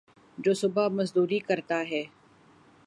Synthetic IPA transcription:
d͡ʒoːsʊbamɐzd̪uːɾikɐɾt̪aɦɛː

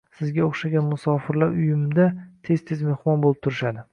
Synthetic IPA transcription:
sɪzɡʲaoχʃaɡʲanmʊsɒfɪɾlaɾʊjɪmd̪at̪ʰe̞z̥t̪ʰe̞zme̞hmɒnbolˠɪp̚t̪ʰʊɾɪʃad̪ɪ

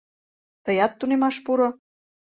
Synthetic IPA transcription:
t̪ɤjɑt̪ːunemɑʃpuɾŏ

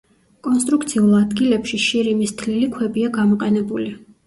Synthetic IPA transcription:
kʼɔnst̪ʼɾukt̪sʰiulˠad̪ɡilɛpʃiʃiɾimist̪ʰlilikʰwɛbiaɡamɔqʼɛnɛbuli

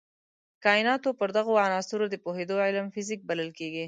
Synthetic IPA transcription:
kɑɪnɑt̪opəɾd̪aɣoanɑsuɾod̪əpohed̪oʕɪlmfɪzik̚baləlkeɡi

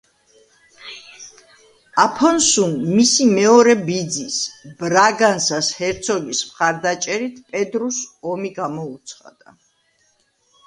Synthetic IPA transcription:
apʰɔnsunmisimɛɔɾɛbid̪zisb̥ɾaɡansashɛɾt̪sʰɔɡismχaɾd̪at͡ʃʼɛɾit̪ʰpʼɛd̪ɾusɔmiɡamɔut̪sʰχa̰d̪̥a̰

